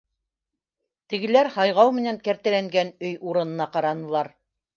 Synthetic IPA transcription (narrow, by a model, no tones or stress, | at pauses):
t̪ɘ̆ɡɘ̆læɾhɑjʁɑwmɘ̆næŋkæɾt̪æ̆læŋɡænɵjuɾɤ̆nɤ̆nɑqɑɾɑnɤ̆lˠɑɾ